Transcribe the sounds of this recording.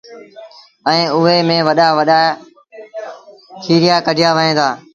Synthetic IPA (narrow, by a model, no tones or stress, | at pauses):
ɛ̃ĩːʊɦeːmẽːʋəɗaːʋəɗaː | kʰiːɾɪjaːkəɖʱɪjaːʋəɦẽːd̪aː